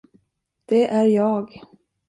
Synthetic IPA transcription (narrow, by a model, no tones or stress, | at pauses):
d̪̥ɛʔæɾjɑːɡ